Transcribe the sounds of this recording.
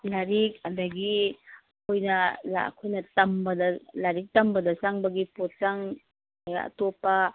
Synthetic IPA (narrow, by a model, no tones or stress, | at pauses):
laɾik̚ɐdɐɡi | kʰojnɐla̰kʰojnɐtɐmbɐdɐlaɾik̚tɐmbɐdɐsaŋbɐɡipot̚t͡ʃaŋ | aja̰ɐ̰topːɐ